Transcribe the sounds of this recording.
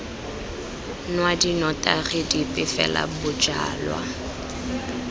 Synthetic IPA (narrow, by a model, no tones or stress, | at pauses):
nwadinɔtʼarɪdipʼɪfɛ̰la̰bʊt͡ʃʼa̰ːlwa̰